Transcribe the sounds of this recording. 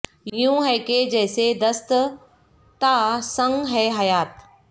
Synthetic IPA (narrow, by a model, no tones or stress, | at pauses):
ijũɦɛːked͡ʑɛːsed̪ɐst̪ | t̪aːsɐ̃ŋɡɦɛːɦɐjaːt̪